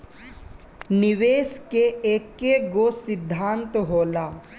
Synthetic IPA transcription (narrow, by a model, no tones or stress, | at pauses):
niʋeːskeeːkːeɡoːsɪd̪ʱːaːnt̪ɦoːlaː